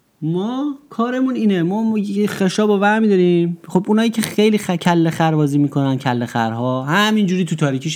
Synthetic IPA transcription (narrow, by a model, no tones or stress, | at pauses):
mɔːkʰɒːɾe̞muniːnemɒːxeʃɒːbovæɾmiːd̪ɒɾiːmχobunɒːjiːcʰexejliːxæcʰælːexæɾbɒːziːmiːkʰo̞næncʰælːexæ̰ɾɦɒːhæmind͡ʒuːɾiːt̪ʰut̪ʰɒːɾiːcʰiːʃ